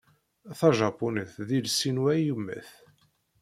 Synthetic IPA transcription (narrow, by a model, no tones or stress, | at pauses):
θɑʒɑpunəθðilsinwæjumːæ̰θ